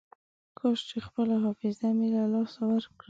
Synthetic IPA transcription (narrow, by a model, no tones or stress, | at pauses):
kʰoʃt͡ʃexpəlaɦɑfɪzamilalɑsawaɾkɽi